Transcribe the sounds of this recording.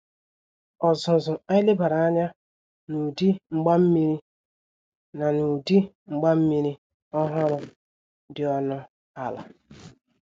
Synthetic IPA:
ɔ˨zʊ˨zʊ˨a˦ɪ˦le˦ba˨ɾa˨a˦ɲa˦ | nu˨di˦ŋ͡m̩˦ɡ͡ba˦m̩˦mi˦ɾi˦ | na˨nu˨di˦ | ŋ͡m̩˨ɡ͡ba˦m̩˦mi˦ɾi˦ | ɔ˦ɦɔ˦ɾʊ˦ | dɪ˨ɔ˦nʊ˦ | a˨la̰˨

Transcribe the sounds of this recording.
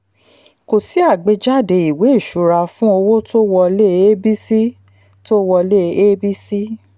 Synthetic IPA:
ko˨si˨˦a˦˨ɡ͡be˨˧d͡ʒa˦˨de˧˨i˨we˨˦i˦˨ʃu˨˦ɾa˧fũ˦o˧wo˦to˦wɔ˧le˦e˦bi˦si˦ | to˦wɔ˧le˦e˦bi˦si˦

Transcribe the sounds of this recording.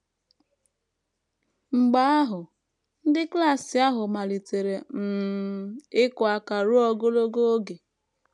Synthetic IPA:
ŋ͡m̩˨ɡ͡ba˨˦a˦ɦʊ˨ | n̩˦dɪ˦kla˦˨sɪ˨a˦ɦʊ˨ma˨li˨te˨ɾe˨m̩˨ | ɪ˦kʊ˨a˦ka˨ɾu˦ɔ˦ɡo˦lo˦ɡo˦o˦ɡe˨

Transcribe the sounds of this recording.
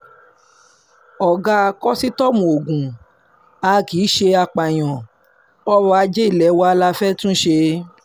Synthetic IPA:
ɔ˨ɡa˦˧kɔ˦si˦tɔ˦mũ˨o˨ɡũ˨ | a˨˧ki˨˦ʃe˧a˧k͡pa˨j̃ɔ̃˨ | ɔ˦ɾɔ˧a˧d͡ʒe˦i˦˨lɛ˨˦wa˧a˧la˧fɛ˦tũ˦ʃe˧

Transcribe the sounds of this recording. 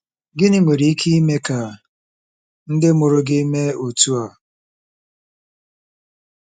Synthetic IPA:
ɡɪ˦nɪ˦ŋʷe˨ɾi˨i˦kʰi˦i˦me˦ka˨ | n̩˦dɪ˦mʊ˨ɾʊ˦ɡɪ˦me˦o˨tu˦a˨

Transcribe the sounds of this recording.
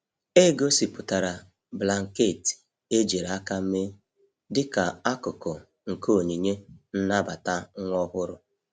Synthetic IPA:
e˦˨ɡo˦si˨pʊ˨ta˨ɾa˨ | bla˨ŋ̩˨ke˦˨ti̥˨ | e˦d͡ʒe˨ɾa˦ka˦m̩˦me˦ | dɪ˦ka˨a˦kʊ˨kɔ˨ | ŋ̩˨ko˦˨ɲi˨ɲe˦n̩˦na˦ba˨ta˦ŋʷɔ˦ɦʊ˦ɾʊ˦

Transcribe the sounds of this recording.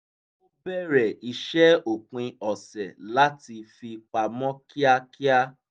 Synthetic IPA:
o˦bɛ˦˨ɾɛ˨i˧ʃɛ˦o˨k͡pĩ˧ɔ˨sɛ˨la˦ti˧fi˧k͡pa˧mɔ̃˦ki˦a˧ki˦a˦

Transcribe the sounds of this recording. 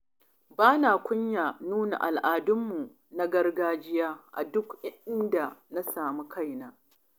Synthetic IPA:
baː˦naː˨kʷʊ˦ɲjaː˨nuː˦na̰˨ʔa˨lʔaː˨dʊ˦mːu˨ | na˦ɡɐ˦rɡaː˦d͡ʒɪ˦jaː˦ʔa̰˨dʊ˦kɪ˦ʔɪ˦nda˨na˦saː˨mu˦kʰa˦˨jnaː˦

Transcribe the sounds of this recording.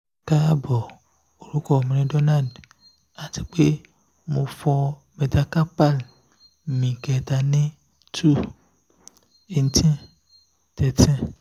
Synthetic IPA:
ka˦bɔ˨ | o˨ɾu˦kɔ˨m˨nẽ˦ɖɔ˦na˦d | a˨t̪i˨k͡pe˦ | mõ˨fɔ˦ | me˨t̪a˦ka˦pa˦l | mĩ˨kɛ˨t̪a˨nẽ˦ | tu˦ | e˨n˨˦t̪ĩ˦ | t̪ɛ˨tɛ̃˦

